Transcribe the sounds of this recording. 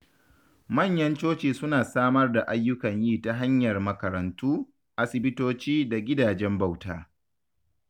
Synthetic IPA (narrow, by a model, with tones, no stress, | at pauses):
mɐ˦˨ɲjɐ˦nt͡ʃoː˦t͡ʃeː˨sʊ˦naː˨saː˦mɐ˦rda˨ʔa˦jːʊ˦kɐ˨ɲjiː˦ta˦ɦa˦ɲjɐ˨rmɐ˦kɐ˨ɾɐ˨ntuː˦ | ʔa˦sɪ˨bɪ˦toː˦t͡ʃiː˦da˨ɡʲɪ˦daː˨d͡ʒɛ˦mba˨wtaː˦